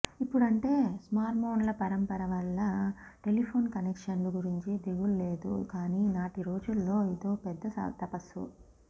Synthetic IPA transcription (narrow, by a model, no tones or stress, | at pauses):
ipːuɽɐɳʈe̞ːsmaːɾʈmʰo̞ːnlɐpɐɾɐmpɐɾɐʋɐlːɐʈe̞lipʰo̞ːnkɐnekʂɐnluɡuɾiɲt͡ʃid̪eɡulːe̞ːd̪ṵkaːniːnaːʈiɾo̞ːd͡ʒulːo̞ːid̪o̞ːpɛd̪ːɐɐ̰t̪ɐpɐsṵ